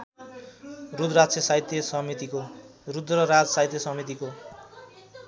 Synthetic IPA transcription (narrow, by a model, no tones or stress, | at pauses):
rud̪rat͡sʌsait̪jʌsʌmit̪ikorud̪rʌɾad͡zsajt̪jʌsʌmit̪̬iko